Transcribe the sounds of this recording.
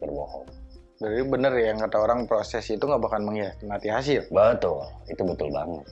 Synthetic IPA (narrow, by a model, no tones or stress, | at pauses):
bərbohɔ | daɾdibənərjaŋkat̪aoɾaŋpɾosɛsit̪uŋɡabakanməŋiamat̪iɦas̬ɪlbət̪ʊlit̪ubət̪ʊlba̰ŋət̪̚